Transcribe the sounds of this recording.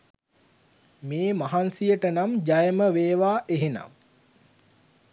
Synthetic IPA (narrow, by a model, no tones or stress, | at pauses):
meːmaɦansijəʈənamd͡ʒajəməʋeːʋaːʔeɦena̰m